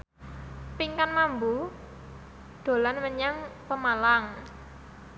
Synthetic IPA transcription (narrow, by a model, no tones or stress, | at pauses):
piŋkanmambu | d̪̥o̤lanməɲaŋpəmalaŋ